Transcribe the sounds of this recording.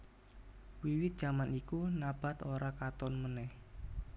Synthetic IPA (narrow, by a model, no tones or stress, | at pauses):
wiwɪt̪̚d̥ʒ̥a̤manikunab̥a̤t̪oɾakat̪ɔnmənɛh